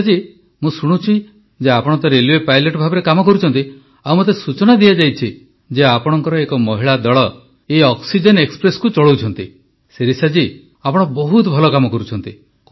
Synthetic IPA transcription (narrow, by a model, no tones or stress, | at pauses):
d͡ʒi | mũsuɽ̃ut͡ʃʰi | d͡ʒeapɔɽɔnt̪ɔɾeliepajleʈɔbʱabɔɾekamɔkɔɾut͡ʃʰɔnt̪i | awmot̪̬esut͡ʃɔnad̪iad͡ʒajt͡ʃʰi | d͡ʒeapɔɽ̃ɔŋkɔɾɔekɔmɔɦiɭad̪ɔɭɔ | eɔksid͡ʒenekspɾesɔ̥kut͡ʃɔɭowt͡ʃʰɔnt̪i | seɾisad͡ʒi | apɔɽ̃ɔbɔɦut̪ɔbʱɔlɔkamɔkɔɾut͡ʃʰɔnt̪i